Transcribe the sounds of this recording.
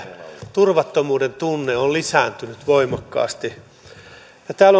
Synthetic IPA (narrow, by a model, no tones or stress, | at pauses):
t̪urʋɑt̪ːomuːdent̪unːeollisænt̪ynyt̪ʋoimɑkːɑ̰ːst̪i | jɑt̪æːlo